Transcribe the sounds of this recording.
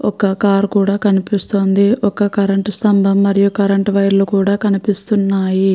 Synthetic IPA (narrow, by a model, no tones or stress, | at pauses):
ɔkɐkaːɾkuːɽaːkɐnipist̪o̞ːnd̪iʔɔkɐkɐɾɐɳʈsɐmbʱɐmːɐɾijukɐɾɐɳʈʋɐjɾlukuːɽaːkɐnipist̪unːaːji